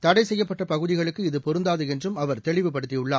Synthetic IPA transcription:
t̪ɐɽɐɪsɛjːɐpːɐʈːɐpɐɣɯðɪɣɐɭɯkːɯɪðɯpɔɾɯnd̪aːðɯɛndrɯmɐʋɐɾt̪ɛɭɪʋɯpːɐɽɯt̪ːɪjʊɭːaː

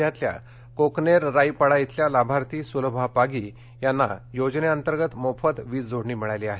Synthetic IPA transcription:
jat̪lja̰ | kokneɾːaipəɽait̪ljalabʱaɾt̪iːsulbʱapaɡiː | janːajod͡ʑneənt̪əɾɡət̪mofət̪ʋiːt͡sd͡zʱoɽɳiːmiɭajleaɦe

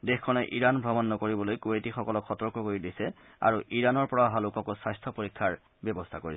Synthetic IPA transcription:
dexkʰɔnɛʔiɹanbʱɹɔbɔnːɔkoɹibɔlojkuetixɔkɔlɔkxɔtɔɹkɔkoɹidisɛ | a̰ɹuʔiɹanɔɹpɔɹaɦalukɔkosajst̪ʰɔpoɹikʰːaɹ | bjɔbɔst̪ʰakoɹis

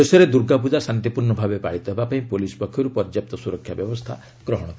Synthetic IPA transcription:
esɔɾed̪uɾɡapud͡ʒasant̪ipuɾɳɔbʱabepa̰ɽit̪ɔɦbapaĩpolisɔ̥pɔkʰːjɔɾupɔɾd͡ʒjap̚t̪ɔsuɾɔkʰːjabjɔbɔst̪ʰa̰ | ɡ̥ɾɔɦɔɽ̃ɔt̪ʰ

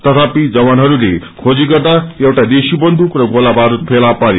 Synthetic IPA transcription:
t̪ʌt̪ʰapid͡zʌbanɦʌɾule | kʰod͡ziɡʌrd̪aewʈad̪esibʌnd̪ʱukrʌɡolabaɾut̪̚pʰelapaɾe

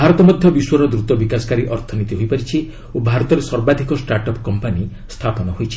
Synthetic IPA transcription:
bʱaɾɔt̪ɔmɔd̪ʱjɔbiswɔɾɔd̪ɾut̪ɔbikasɔ̥kaɾiʔɔɾt̪ʰɔnit̪iɦojpaɾit͡ʃʰi | obʱaɾɔt̪ɔɾesɔɾbad̪ʱikɔsʈaɾʈɔpkɔmpani | st̪ʰapɔnɔɦojt͡ʃʰi̥

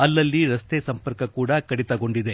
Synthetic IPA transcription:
ɐlːɐlːiɾɐst̪esɐmpɐɾkɐkuːɽɐkɐɽit̪ɐɡo̞ɳɖid̪e̞

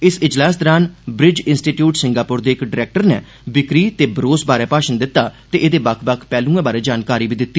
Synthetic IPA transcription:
ɪsɪd͡ʒlaːs̬d̪ɔɾaːnbɾɪd͡ʒɪnsʈiːʈjuːʈsɪ̃ŋɡaːpʊɾd̪eːɪkɖɪɾɛːk̚ʈəɾnḛː | bɪkɾiːt̪eːbəɾoːsbaːɾɛːpaːʃənd̪ɪt̪ːaːt̪eːʔed̪eːbəkʰbəkʰpɛːlũːɛ̃ːbaːɾeːd͡ʒaːnkaːɾiːbiːd̪ɪt̪ːiː

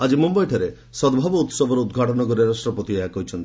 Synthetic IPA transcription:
ad͡ʒimɔmbajʈʰaɾe | sɔd̪bʱabɔut̪sɔbʱɔɾɔud̪ɡʱaʈɔnɔkɔɾeɾasʈɾɔpɔt̪ieakɔɦit͡ʃʰɔnt̪i

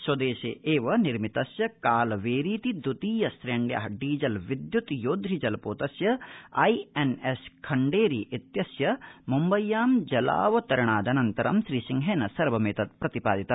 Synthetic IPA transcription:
swɐd̪eːʃeːʔeːʋɐniɾmit̪ɐsjɐkaːlɐʋeːɾiːt̪id̪ut̪iːjɐsɾeːɳɖja̰ːɦɐɖiːd͡ʒɐlʋid̪jut̪joːd̪ɾid͡ʒɐlɐpoːt̪ɐsjɐɐjeneskʰɐɳɖeːɾiʔit̪jɐsjɐmumbɐjːaːmd͡ʒɐla̰ːʋɐt̪ɐɾɐɳaːd̪ɐnɐnt̪ɐɾɐ̰mʃɾiːsiŋɡɦeːnɐsɐɾʋɐmeːt̪ɐt̪̚pɾɐt̪ipa̰ːd̪it̪ɐ

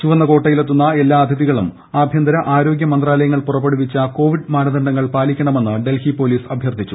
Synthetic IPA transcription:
t͡ɕuʋɐnːɐko̞ːʈːɐjilet̪ːunːɐe̞lːaːɐd̪ʱɐðiɣɐɭum | aːbʱjɐnd̪ɐɾɐʔaːɾo̞ːɡjɐmɐnd̪raːlɐjɐŋːɐɭpurɐpːeɽuʋit͡ɕːɐko̞ːʋiɖmaːnɐd̪ɐɳɖɐŋːɐɭpaːlikʲːɐɳɐme̞nːɨɖe̞lhipo̞ːliːsɐbʱjɐrd̪ʰʱit͡ɕːu

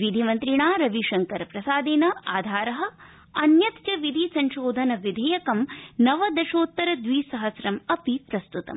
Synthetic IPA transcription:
ʋid̪ʱimɐnt̪ɾiɳaːɾɐʋiʃɐŋkɐɾɐpɾɐsaːd̪inɐaːd̪ʱaːɾɐɦɐ̆ | ɐnjɐt̪t͡ʃɐʋid̪ʱisɐɲʃoːd̪ʱɐnɐʋid̪ʱɐjɐkɐmnɐʋɐd̪ɐʃoːt̪ːɐɾɐd̪ʋiːsɐɦɐsɾɐmɐpipɾɐst̪ut̪ɐ̰m

